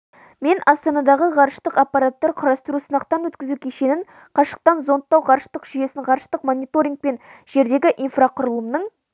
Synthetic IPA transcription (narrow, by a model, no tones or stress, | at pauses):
me̞nʔɑst̪ɑnɑd̪ɑʁəʁɑɾəʃt̪əqapːɑɾat̪ːɑɾqʰʊɾɑst̪ʊɾusənɑqt̪ɑnwɵt̪kʲɪzukʲʰeʃe̞nɪɴ | qʰɑʃə̥q̚t̪ɑnzont̪ːɑwʁɑɾəʃt̪əqʒ̥ʏje̞sɪŋʁɑɾəʃt̪əqmonʲijt̪oɾʲiŋk̚pe̞nʒ̥e̞ɾd̪e̞ɡʲɪʔinfraqʰʊɾəlˠəmnəɴ